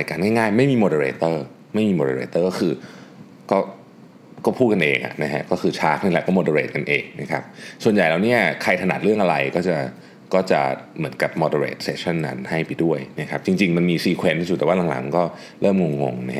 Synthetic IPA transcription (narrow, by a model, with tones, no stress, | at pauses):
ɾaː˧jkaː˧nŋaː˥˩jŋaː˥˩jma˥˩jmiː˧moː˧de˧ɾeː˧t̪ɤː˥˩ | ma˥˩jmiː˧moː˧e˧ɾḛː˧t̪ːɤː˥˩kɔː˥˩kʰɯː˧ | kɔː˥˩ | kɔː˥˩pʰuː˥˩t̪̚ka˧nʔeː˧ŋʔa̰˨˩ʔna˦˥kʰa˦˥ʔkɔː˥˩kʰɯː˧t͡ɕʰaː˦˥k̚na˥˩laː˨˩kɔː˥˩moː˧de˧ɾeː˨˩t̪̚ka˧nʔeː˧˩ŋ̚na˦˥kʰa˦˥p̚su˨˩ənja˨˩jlaː˨˩wni˦˥˩ɐkʰa˧jt̪ʰa˧na˨˩ɾɯ˥˩əŋʔa˧ɾa˧jkɔː˥˩t͡ɕa˨˩ | kɔː˥˩t͡ɕa˨˩mɯ˩˦ənka˨˩p̚moː˧de˧ɾḛː˨˩t̪̚seː˧˩t͡ɕʰa˥˩nːa̰˦˥nha˥˩jpa˧jdu˥˩əjna˦˥kʰa˦˥p̚t͡ɕi˧ŋt͡ɕi˧ŋma˧nmiː˧siː˨˩kʰwe˧nt̪ʰi˥su˨t̪̚ːwaː˥˩la˨˦ŋla̰˩˦ŋm˨kɔː˥˩ | ɾɤː˥˩mŋo˧ŋːo̰˧ŋna˦˥˦